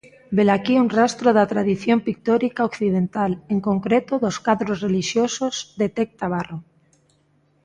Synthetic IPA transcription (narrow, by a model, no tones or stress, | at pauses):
belakiuŋrast̪ɾoðat̪ɾaðiθjompik̚t̪ɔɾikaokθið̞ent̪aleŋkoŋkɾet̪oðoskaðɾosreliʃjososd̪et̪ek̚t̪aβaro